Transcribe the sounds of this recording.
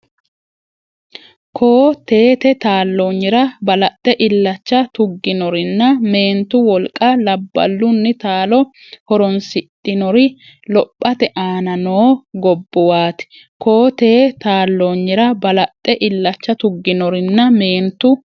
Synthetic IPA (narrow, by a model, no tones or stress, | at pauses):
kʰoːt̪e̞ːt̪ɛt̪aːlːoːɲːɪɾɐbɐlɐt̪ʼːɛʔɪlːɐt͡ʃːɐt̪ʊɡːɪnɔɾɪnːɐme̞ːnt̪ːʊwɔlkʼːɐlɐbːɐ̰lːʊnːɪt̪aːlɔ | hɔɾɔnsɪt̪ʼːɪnɔɾɪ | lɔpʼːɐt̪ɛʔaːnɐnoːɡɔbːɔwaːt̪ɪ̥ | ko̞ːt̪e̞ːt̪aːlːoɲːɪɾɐbɐlɐt̪ʼːɛʔɪlːɐt͡ʃːɐt̪ʊɡːɪnɔɾɪnːɐme̞ːnt̪ːʊ